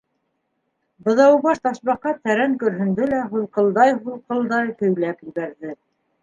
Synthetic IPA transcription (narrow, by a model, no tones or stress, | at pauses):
bɤ̆ðɑwβɑʃt̪ɑʃβɑqɑt̪ːæɾæŋkɵ̆ɾɦɵ̆nd̪ɘlæɦulˠqɤ̆lˠd̪ɑjɦulˠqɤ̆lˠd̪ɑjk̪ɵ̆wlækɘ̆lɡæɾðɘ